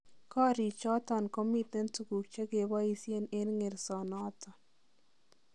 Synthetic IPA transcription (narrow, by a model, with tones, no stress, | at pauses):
kɔ˦ɾi˨t͡ʃɔ˦t̪ɔ˨nko˦mi˦t̪ɛ˦nttu˨ɡu˨k̚t͡ʃa˦ɡe˨ba˦i˦sje˦ne˦nŋe˨ɾsɔ˨nɔ˦t̪ɔ˨n